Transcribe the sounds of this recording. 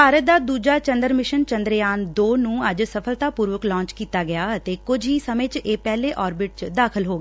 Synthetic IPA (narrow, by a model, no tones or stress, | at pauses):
baːɾət̪̚d̪aːd̪uːd͡ʒaːt͡ʃə̃nd̪əɾmɪʃənt͡ʃənd̪ɾjaːnd̪oːnũːəd͡ʒsəpʰəlt̪aːpuːɾʋəklɔ̃ːɲt͡ʃkiːt̪aːɡɪjaːət̪eːkʊd͡ʒɦiːsəmẽːt͡ʃeːpɛːleːʔɔːɾbɪʈ̚t͡ʃd̪aːkʰəlɦoːɡ